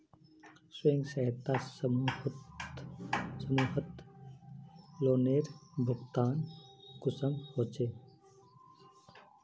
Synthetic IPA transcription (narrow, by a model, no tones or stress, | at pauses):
sweŋɡsəɦt̪a | səmuːɦət̪ | loːneːɾbʱʊɡt̪aːnkʊsəmhoːt͡ʃeː